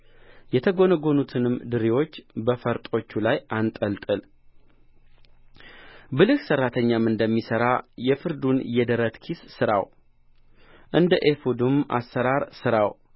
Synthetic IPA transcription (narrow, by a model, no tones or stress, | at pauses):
jɛt̪ʰəɡo̞nəɡo̞nut̪ʰɨnɨmd̪ɨɾiwo̞t͡ʃːbəfəɾt̪ʼo̞t͡ʃːulajʔant̪ʼəlt̪ʼɨl | bɨlɨksərːat̪ʰəɲːamɨnd̪əmːisəɾajɛfɨɾd̪unjɛd̪əɾət̪kʰissɨɾa̰w | ʔɨnd̪əʔefud̪umʔa̰sːəɾaɾsɨɾaw